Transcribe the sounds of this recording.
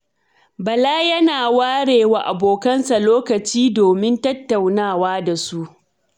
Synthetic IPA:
bɐ˨laː˦jɐ˦naː˨waː˦ɽeː˨wa˨ʔa˨boː˨kɐ˦nsa˨loː˦kɐ˨t͡ʃiː˦doː˨mɪ˦ntɐ˦tːa˨wnaː˦˨waː˦da˨su˦ʔ

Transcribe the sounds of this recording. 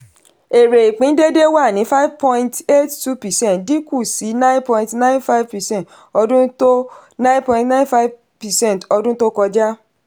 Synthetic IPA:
e˨ɾe˨i˨k͡pĩ˨˦n̩˦de˦de˦wa˦˨nĩ˨˦fa˦i˦vpɔ̃˧ĩ˧nte˦ttu˦pɛ˨sɛ̃˦ntdi˦ku˦˨si˨˦nã˦j̃npɔ̃˧ĩ˧tnã˦j̃nfa˦i˦vpɛ˨sɛ̃˦nt | ɔ˧dũ˦to˦nã˦npɔ̃˧ĩ˧tnã˦nfa˦i˦v | pɛ˨sɛ̃˦˨tɔ˧dũ˦to˦kɔ˧d͡ʒa˦

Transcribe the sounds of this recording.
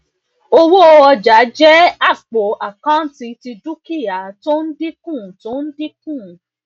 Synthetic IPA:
o˧wo˦˧ɔ˧d͡ʒa˨˦d͡ʒɛ˦a˦˨k͡po˨˦a˨kã˦ti˧ti˧du˦ki˦˨ja˨to˦n̩˦di˦kũ˦˨to˦n̩˦di˦kũ˦˨

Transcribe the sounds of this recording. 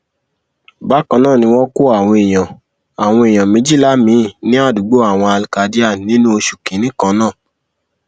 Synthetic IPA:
ba˨˦kã˧nãː˦˨nĩ˧w̃ɔ̃˦ko˦a˨w̃ɔ̃˧e˨j̃ã˨ | a˨w̃ɔ̃˧e˨j̃ã˨mĩ˦d͡ʒi˦˨la˦mĩ˨˧˦nĩ˦a˦˨du˨˦ɡ͡bo˦a˦˨w̃ɔ̃˧a˧lka˨˦di˦a˦˨nĩ˦nũ˦o˧ʃu˨kĩ˨˦nĩ˦kã˧˦nãː˦˨

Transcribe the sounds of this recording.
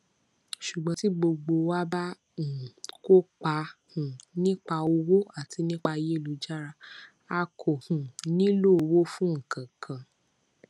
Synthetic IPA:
ʃu˨ɡ͡bã˨˦ti˦ɡ͡bo˧ɡ͡bo˧wa˦ba˦ | ũ˨ko˦k͡pa˧˦hũ˨nĩ˦k͡pa˧o˧wo˦a˦˨tʰi˨˧˦nĩ˦k͡pa˧˦je˦˨lo˧d͡ʒa˦ɾa˧ | a˧kʰo˨hũ˨nĩ˦lo˦˨o˧wo˦fũ˦ŋ̩˨kʰã˨kʰã˨

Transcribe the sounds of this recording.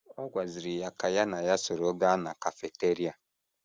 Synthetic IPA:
ɔ˦ɡʷa˨zi˨ɾi˨ja˨ka˨ja˦na˨ja˦so˨ɾo˨˦ɡa˦na˨ka˨fe˨te˦ɾi˦a˨

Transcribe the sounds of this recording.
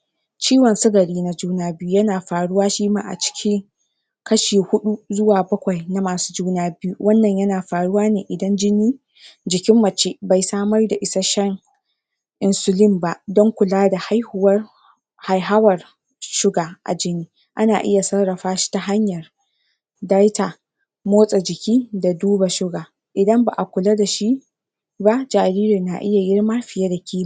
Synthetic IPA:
t͡ʃiː˦wɐ˨nsʊ˦ɡɐ˨ɽiː˦na˦d͡ʒuː˦naː˦bɪ˦ju˦jɐ˦naː˨ɸaː˨ɽʊ˦waː˦ʃiː˦ma̰ː˦ʔa̰˨t͡ʃɪ̥˦kʲʰɪ˦ŋ | kɐ˦ʃiː˨hʊ˦ɗu˦zʊ˦waː˨bɐ˦kʷa˨jna˨maː˨su̥ː˦d͡ʒuː˦naː˦bɪ˦ju˦wʔɐ˦nːɐ˨ɲjɐ˦naː˨ɸaː˨ɽʊ˦waː˦neː˨ʔɪ˨dɐ˦nd͡ʒɪ˦niː˦ | d͡ʒɪ˨kʲɪ˦mːɐ˨t͡ʃe˦ba˨jsaː˦mɐ˦rda˨ʔɪ˦sa˦ʃɛ˦ŋ | ʔɪ˨nsʊ˨lɪ˦mba˦ʔdɔ˦ŋkʷʊ˨laː˦da˨ha˦jhʊ˨˦wɐ˦r | ha˨jɦa˦wɐ˨r | ʃʊ˦ɡaː˨ʔa̰˨d͡ʒɪ˦niː˦ | ʔa˦naː˨ʔɪ˦ja˨sɐ˦rɽɐ˨ɸaː˦ʃi̥˦ta˨ɦa˦ɲjɐ˨r | da˦jta˨ | moː˦sʼa˨d͡ʒɪ˨kʲiː˦da˨duː˦ba˨ʃʊ˦ɡaː˨ | ʔɪ˨dɐ˦mba̰˨ʔa˨kʷʊ˨la˦da˨ʃi˦ | ba˦ʔd͡ʒaː˨ɾiː˦ɾɪ˨na˨ʔɪ˦ja˨jɪ˦ɽma˦ɸɪ˨ja˦da˨kʲʰiː˦ma˨

